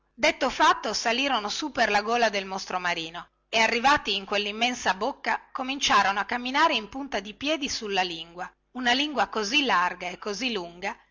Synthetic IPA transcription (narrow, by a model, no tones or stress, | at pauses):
d̪et̪ːofat̪ːosaliːɾonosupːerlaɡoːlad̪elmost̪ɾomaɾiːno | earːivaːt̪iːŋkwelːimːɛnsabokːakomint͡ʃaːɾonoakːamːinaːɾeimpunt̪ad̪ipjɛːd̪isulːaliŋɡwa | unaliŋɡwakozilːarɡaekːozilːuŋɡa